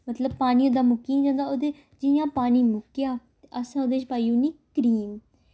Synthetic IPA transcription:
mət̪ləb̚paːniːoːd̪aːmʊkːiːnĩːd͡ʒãːnd̪aːoːd̪eː | d͡ʒɪjãːpaːniːmʊkːjaː | ʔəsãːoːd̪eːt͡ʃpaːiuːniːkəɾiːm

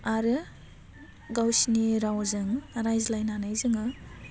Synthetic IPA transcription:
aɾɯ | ɡawsiniɾawzɯŋɾajzlajnanajzɯŋɯ

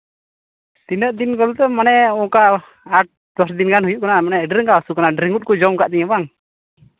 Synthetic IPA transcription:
t̪inəʔd̪inkɔlt̪ɛmanɛɔkaː | ʈ̚ | d̪ɔsd̪inɡanhujuʔkanamanɛɖɾɛŋkaasukanaɖɾiŋɡut̪̚kɔd͡ʒɔmkaʔd̪ɛɲabaŋ

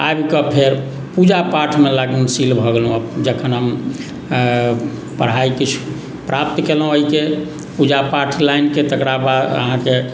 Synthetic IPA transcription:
a̰bkəpʰeɾ | pud͡ʒapaɾʈʰmelaɡunsilbʱəɡelɦũəbd͡ʒəkʰənɦəm | pəɽ̤aikit͡ʃʰu̥ | pɾʔap̚t̪kelɦũəike | pud͡ʒapaʈʰlajnket̪əkɾabad̪ə̰ɦãke

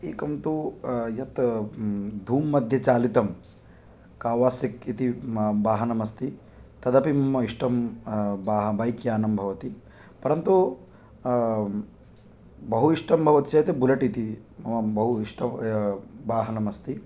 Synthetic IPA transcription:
eːkɐnt̪ujɐt̪ | d̪ʱuːmːɐd̪ʱjɐt͡ʃaːlit̪ɐm | kaːʋaːsikit̪ibaːɦɐnɐmɐst̪i | t̪ɐd̪ɐpimɐmɐiʂʈɐmbaːɦɐbɐjkjaːnɐmbʱɐʋɐt̪i | pɐɾɐnt̪u | bɐɦuiʂʈɐmbʱɐʋɐt̪i̥t͡ʃɐjt̪ebulɐʈit̪imɐmɐbɐɦuiʂʈʰɐ | baːɦɐnɐmɐst̪i

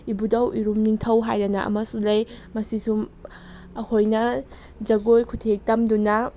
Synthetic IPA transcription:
ibudɐwiɾumniŋtʰɐwɦajɾɐnɐ̰ʔɐ̰mɐsulɐj | mɐsisum | ɐhʰojnɐ | d͡ʒɐɡojkʰutʰek̚tɐmdunɐ

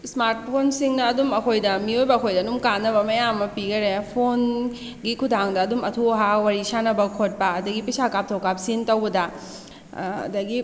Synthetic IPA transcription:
smaɾt̚pʰonsiŋnɐːdumɐkʰojdɐmiojbɐɐkʰojdɐnumkanːɐbɐmɐjamːɐpiɡɐɾepʰon | ɡikʰudʱaŋdɐːdumɐtʰoɦawaɾisanɐbɐkʰot̚pɐɐdɐɡipisakap̚tʰowkap̚sintɐwbɐdɐ | ɐ̰dɐɡi

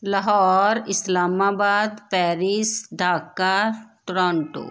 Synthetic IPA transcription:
lɐɦɔːɾɪslaːmaːbaːd̪pɛːɾisɖʱaːkːəɾʈɾɔ̃ːɳʈo̰ː

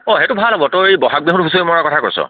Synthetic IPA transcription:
ɔ̃ɦetubʱalɦobɔtoejbɔɦak̚beɦɔtɦusomɔɹakɔtʰakoɹsɔ̰

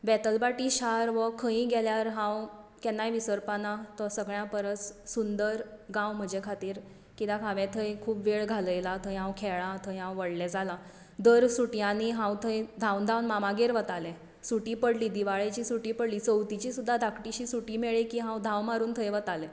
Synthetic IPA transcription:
ʋɛt̪əlpaʈiːɕaɾʋəkʰə̃ĩɡɛljaɾɦãwkɛnːajʋisəɾpanat̪ɔsəɡɭjãpəɾət͡ssund̪əɾɡãwm̤əd͡ʑekʰat̪iːɾ | kit̪ãkʰãʋɛt̪ʰəjkʰuːpʋeɭɡʱaləjlat̪ʰəjɦãwkʰɛɭãt̪ʰəjɦãwʋəɽlɛd͡zalã | d̪əɾsuʈijãniɦãwt̪ʰəjd̪ʱãwnd̪ʱãwnmamaɡeɾʋət̪alɛ̃ | suʈiːpəɽliːd̪iʋaɭet͡ɕiːsuʈiːpəɽliːt͡səwt̪it͡ɕiːsud̪ʱːad̪ʱakʈiɕiːsuʈiːmeɭikiɦãwd̪ʱãwmaɾuːnt̪ʰəjʋət̪alɛ

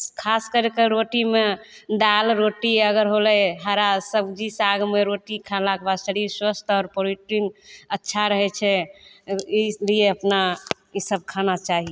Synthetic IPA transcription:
kʰaskəɾekeɾoʈime | d̪alɾoʈiəɡəɾɦolɛɦaɾasəbd͡ʒisaɡmeɾoʈikʰalakbasəɽiswəst̪ʰɔːɾpoɾiʈɾinətːʃʰaɾəɦɛt͡ʃʰɛ | ilieəpna | isəb̚kʰanat͡ʃaɦi

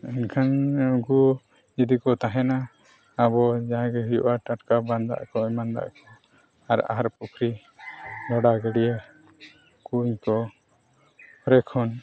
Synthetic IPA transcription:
ɛnkʰanɡu | d͡ʒɛd̪ikɔt̪aɦɛnaː | bɔd͡ʒaɦãɡɛɦujṵʔaʈaʈkaband̪a̰ʔkɔɔmand̪a̰ʔkɔ | aɾa̰ɦaɾpukʰɾi | lɔɽaɡɛɽijɛ | kuɲkɔ | ɾɛkʰɔn

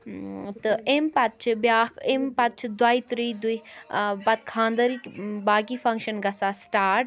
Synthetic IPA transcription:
t̪ɨempɐt̪̚t͡ʃʰbjaːkempɐt̪̚t͡ʃʰd̪waːit̪ɾiːd̪uibɐt̪̚kʰãːnd̪əɾibaːɡifɐ̃ŋkʃənɡɐsaːsʈaːɾʈ

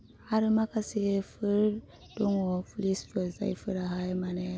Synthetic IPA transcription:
haɾmakasefəɾ | d̥oŋofulisfəɾza̰ifəɾahajmane

